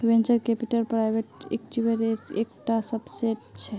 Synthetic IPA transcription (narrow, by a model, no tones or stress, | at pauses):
bẽnt͡ʃəɾkepiʈəlpɾajbʱeʈḛkʈibeɾeekʈasəbseʈt͡ʃʰɛ